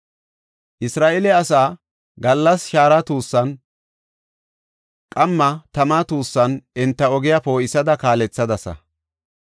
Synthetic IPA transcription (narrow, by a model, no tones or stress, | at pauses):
ʔɪsɾaːʔɛlɛɐsaː | ɡɐlːɐsʃaːɾɐt̪uːsːɐn | kʼɐmːɐt̪ɐmaːt̪uːsːɐnʔɛnt̪ːɐɔɡɪjapo̞ːɪsɐd̪ɐkaːlɛt͡sːɐd̪ɐsɐ̰